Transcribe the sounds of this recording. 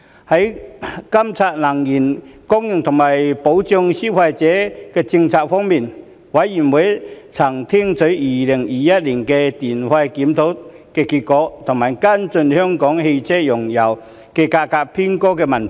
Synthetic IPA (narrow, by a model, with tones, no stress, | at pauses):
hɐ˨˥jkɐ˥mt͡sʰaː˧t̚lɐ˨˩ŋjiː˨˩nkɔ˥ŋjʊ˨˩ŋt̪ʰʊ˨˩ŋmaː˨˩jpo˨˥wt͡sʊ˧ŋsi˥kʰaː˧jt͡sɛː˨˥kɛː˧t͡sɪ˧ŋt͡sʰaː˧k̚fɔː˥ŋmiː˧˩n | wɐ˨˥jːi˨˩nwu˨˥jt͡sʰɐ˨˩ŋt̪ʰi˥ŋt͡sɵ˨˥jiː˨˩lɪ˨˩ŋjiː˨˧jɐ˥t̚liː˨˩nkɛː˧t̪iː˨˩nfaː˧jkiː˨˥mt̪ʰo˨˥w | kɛː˧kiː˧t̚kɔː˨˥t̪ʰʊ˨˩ŋmaː˨˩jka˥nt͡sɵ˧nhœː˥ŋkɔː˨˥ŋhe˧jt͡sʰɛ˥jʊ˨˩ŋjɐ˨˩w | kɛː˧kaː˧kaː˧k̚pʰiː˥nkɔː˥kɛː˧mɐ˨nt̪ʰ